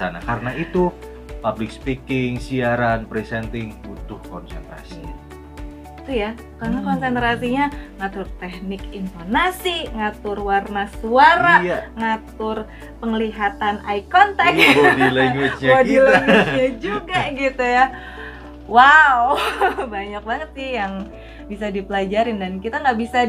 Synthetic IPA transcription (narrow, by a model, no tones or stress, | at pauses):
ana̰kaɾənait̪u | pablɪk̚spikɪŋsiaɾanpɾisɛnt̪ɪŋbut̪ʊhkɔnsɛnt̪ɾa̰si | t̪uja | kaɾnakɔnsɛnt̪ɾasiɲaŋat̪ʊrt̪ɛhnɪkint̪ornasiŋat̪ʊrwarnasuaɾaŋat̪ʊr | pəŋliɦat̪anaikɔnt̪akdilɛŋɡwit͡ʃɲaodilɛŋɡwt͡ʃɲad͡ʒuɡaɡit̪uja | wawbaɲak̚baŋət̪̚ɪjaŋ | bisadipəlad͡ʒaɾɪndankit̪aŋɡaʔbisa